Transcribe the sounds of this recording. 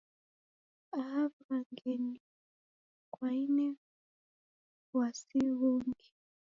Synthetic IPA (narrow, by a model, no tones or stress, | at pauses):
aavɾaŋɡɛni | kwainɛ | wasiwuŋɡi